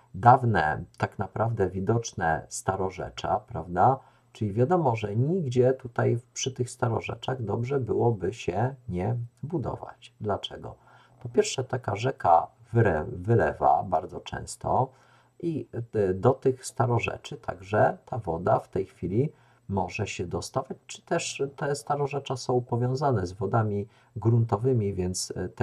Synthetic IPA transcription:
d̪avnɛ̰t̪aknapɾavd̪ɛvʲid̪ɔt͡ʂnɛ̰st̪aɾɔʐɛ̰t͡ʂa̰pɾavd̪a | t͡ʂɘlʲivʲjad̪ɔmɔʐɛɲiɡd͡ʑɛt̪ut̪ajpʂɘt̪ɘxst̪aɾɔ̰ʐɛ̰t͡ʂaɣd̪ɔbʐɛbɘwɔbɘɕɛɲɛbud̪ɔ̰va̰t͡ɕd̪lat͡ʂɛɡɔ̰ | pɔpʲjɛɾʂɛt̪akaʐɛka̰vɾɛvɘlɛ̰va̰baɾd̪zɔt͡ʂɛ̰̃w̃st̪ɔ̰ | ʔid̪ɔt̪ɘxst̪aɾɔʐɛ̰t͡ʂɘt̪ʰa̰ɡʐɛt̪ʰavɔd̪aft̪ɛjxfʲilʲi | mɔʐɛɕɛd̪ɔst̪avat͡ɕt͡ʂɘ̥t̪ɛʂt̪ɛst̪aɾɔʐɛt͡ʂasɔ̃w̃pɔvʲjɔ̃w̃zanɛzvɔd̪amʲi | ɡɾunt̪ɔvɘmʲivʲjɛnt̪st̪

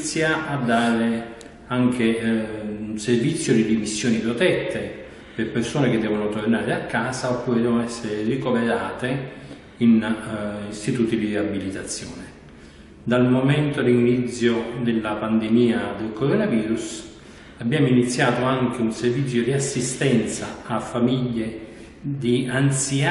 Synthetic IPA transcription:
t̪sːjaad̪ːaːɾe | aŋk̟ʰe | unservit̪sːjod̪id̪imisːjoːnipɾot̪ɛt̪ʰːe | perpersoːnek̟ɪd̪ːɛːvonot̪ornaːɾeakːaːsaopːuːɾed̪ɛːvonoɛsːeɾɪrikoveɾaːt̪e | in | ist̪it̪uːt̪id̪iriabilit̪at̪sːjoːnɪ | d̪almomɛnt̪od̪iinit̪sːjod̪elːapand̪emiːad̪elkoɾonaviːɾus | abːjaːmoinit̪sːjaːt̪oaŋk̟eunservit̪sːjod̪iasːist̪ɛnt̪sa̰ːfːamiʎːe | d̪iant̪sia

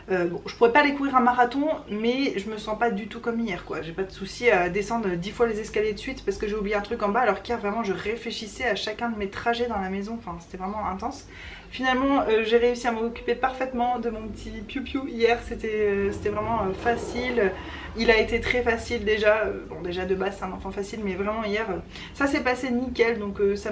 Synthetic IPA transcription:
øbɔ̃ʒ̥əpuʁɛpad̪ekuvʁiʁɛ̃maʁat̪ɔ̃mɛʒəməsɑ̃pad̪yt̪ukɔmijɛʁkwaʒepad̪əsusiad̪esɑ̃d̪ʁəd̪ifwalezɛskaljed̪əsɥit̪paʁsə̥kəʒeublijeɛ̃t̪χykɑ̃baːlɔʁkʲijɛʁvʁɛmɑ̃ʒəʁefleʃisɛaʃakʲɛ̃d̪əmet̪χaʒɛd̪ɑ̃lamezɔ̃ɑ̃fɛ̃se̥t̪ɛvʁɛmɑ̃ɛ̃t̪ɑ̃s | finalmɑ̃øʒeʁeysiamɔɔkʲy̥pepaʁfɛt̪mɑ̃d̪əmɔ̃pət̪ʰipjupjuijɛʁset̪ɛøse̥t̪ɛvʁɛmɑ̃øfasilø | ilaet̪et̪χɛfasild̪eʒaø̰bɔ̃d̪eʒad̪əbaset̪ɛ̃nɑ̃fɑ̃fasilmɛvʁɛmɑ̃ijɛʁø | sasɛpasenikʲɛld̪ɔ̃køsa

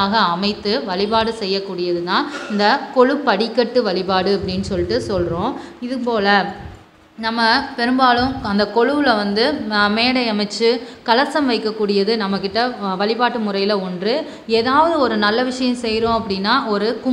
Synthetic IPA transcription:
aːɣɐːmɐɪt̪ːɯʋɐɭɪpaːɽɯsɛjːɐkːuːɽɪjɐðɯt̪ãːɪnd̪ɐkɔɻɯpɐɽɪkːɐʈːɯʋɐɭɪpaːɽɯɐpːɐɽɪnːɯsɔlːɪʈːɯsɔlɾõː | ɪðɯpoːlɐ | nɐmːɐpɛɾɯmbaːɭɯ̃mɐnd̪ɐkɔɻɯʋɪlɐʋɐnd̪ɯmeːɽɐɪɐmɐɪt͡ʃːɯkɐlɐsɐmʋɐɪkːɐkːuːɽɪjɐðɯnɐmːɐkːɪʈːɐʋɐɭɪpaːʈːɯmʊrɐjɪlɐɔndrɯ | eːðaːʋɐðɯɔɾɯnɐlːɐʋɪʂɐjɐ̃msɛjɾõːɐpːɐɽɪnːaːɔɾɯkʊ

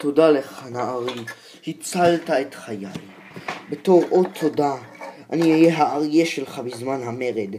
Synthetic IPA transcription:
to̞daleχanaːʁi | hit͡saltaet̪χajaj | beto̞ʁʔot̪ʰːo̞da | a̰niajeɦaːʁjeʃelχabizmanɦame̞ʁed̪

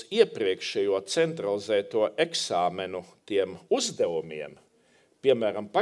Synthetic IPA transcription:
iɛpɾiɛkʃɛjuɔt̪sɛnt̪ɾalˠizɛːt̪uɔʔeksaːmɛnut̪iɛmuzd̪ɛvumiɛm | pʲiɛmæːɾampa

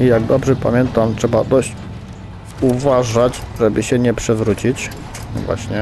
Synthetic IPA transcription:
ijaɡ̚d̪ɔbʐɛpa̰mʲjɛnt̪amtʂɛbad̪ɔɕt͡ɕ | uvaʐad͡ʑʐɛbɘɕɛɲɛpʂɛvɾut͡ɕit͡ɕ | vwa̰ɕɲɛ

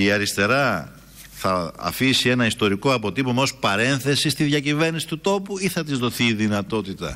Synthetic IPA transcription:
iɐɾist̪e̞ɾɐ | θɐ̰ːfisie̞nɐist̪o̞ɾiko̞ɐpo̞t̪ipomospɐɾe̞nθe̞sist̪iðʝɐcive̞ɾnisi̥t̪ut̪o̞puiθɐt̪izðo̞θiːðinɐt̪o̞t̪it̪ɐ̰

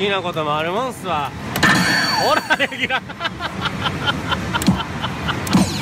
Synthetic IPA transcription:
ɡʲinako̞t̪omoaɾimãsɨβa | oɾaɾeɡʲiɾa

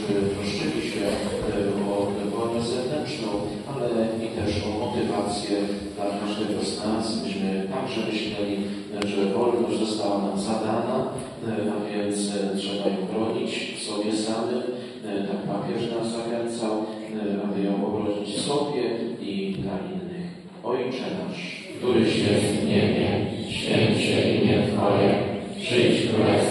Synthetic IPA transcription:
bɘp̪ɾɔʂt͡ʂɘlʲiɕmɘbwɔvɔlnɛzɛvnɛnt͡ʂnɔ̃w̃ | alɛɛit̪ɛʂɔmɔt̪ɘvat̪sʲjɛd̪lakaʐd̪ɛɡɔznasbɘɕmɘt̪aɡʐɛmɘɕlɛlʲi | ʐɛvɔlnɔzɔst̪awanamzad̪ana | avʲjɛnt̪stʂɛbajɔ̃w̃xɾɔɲit͡ɕfsɔbʲjɛsamɘ | t̪akpapʲjɛʂnaszaxɛnt̪saw | bɛd̪əjɔ̃w̃ʔɔɡɾɔd͡ʑit͡ɕsɔbʲjɛid̪laʔinːɘx | ɔjt͡ʂɛnaʂ | kt̪uɾɘɕʲɛt̪ɲɛɲɛɕfʲɛnɕɛʔiɲɛt̪ɔjɛpʂɛt͡ɕt̪uɾ

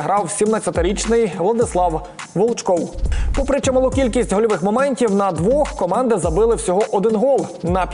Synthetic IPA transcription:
ɦɾɑwsʲimnɐt͡sʲɐt̪ɪɾʲit͡ʃnɪjʋlˠɐd̪ɪslˠɑw | ʋɔlˠt͡ʃkɔwpɔpɾɪt͡ʃɔmʊlˠɔkʲilʲkʲisʲtʲɦɔlʲɔʋɪxmɔmɛnʲtʲiwnɐd̪ʋɔxkɔmɑnd̪ɪzɐbɪlˠɪwsʲɔɦɔʔɔd̪ɪnɦɔlˠnɐpʲ

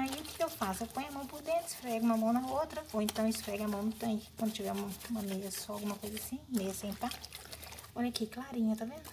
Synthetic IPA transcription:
aiʊkɪewfasʊɛpõj̃ɐmɐ̃w̃poɾd̪ẽt̪ɪ̥sfɾɛɡũmɐmɐ̃w̃nɐot̪ɾɐoẽnt̪ɐ̃w̃isʊ̥fɾɛɡamɐ̃w̃nʊt̪ɐ̃kɪ̥kwɐ̃nd̪ʊt͡ʃivɛũmɐmɐnejɾɐsɔawɡũmɐkojzasĩmejɐsẽj̃t̪a | ɔʎɐkɪklaɾĩɲʊt̪avẽ

